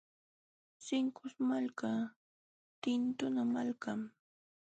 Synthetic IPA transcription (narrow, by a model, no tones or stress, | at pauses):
sɪŋkʊsmalka | t̪ɪnt̪ʊnamalkam